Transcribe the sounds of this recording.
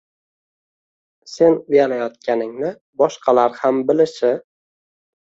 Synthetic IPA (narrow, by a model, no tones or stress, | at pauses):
se̞nʊjalajɒt̪̚kʲanɪŋnɪ | bɒʃqʰɑlaɾhambɪlɪʃɪ